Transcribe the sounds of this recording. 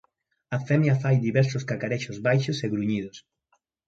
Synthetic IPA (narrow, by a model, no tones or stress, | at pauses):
afɛmjafajd̪iβɛɾsoskakaɾɛʃozβajʃoseɣɾuɲið̞os